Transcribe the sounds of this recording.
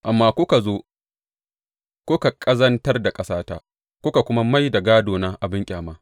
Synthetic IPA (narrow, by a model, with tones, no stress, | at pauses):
ʔa˨mːaː˦kʷʊ˦ka˨zoː˦ | kʷʊ˦ka˨kʼɐ˦zɐ˦ntɐ˦rda˨kʼɐ˦saː˦ta̰˦˨ | kʷʊ˦ka˨kʷʊ˦ma˦ma˦jda˨ɡaː˦doː˨naː˦ʔa˨bɪ˦ŋkʲʼaː˨maː˦